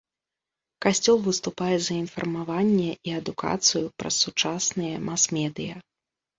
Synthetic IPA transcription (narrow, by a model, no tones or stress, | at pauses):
kasʲt͡sʲɔlˠvɨst̪upajɛzɐinfɐ̰rmavanʲːɛʔiɐd̪ukʰa̰t̪sɨjupɾɐ̰sːut͡ʂasnɨjɐmasmʲɛd̪ɨjɐ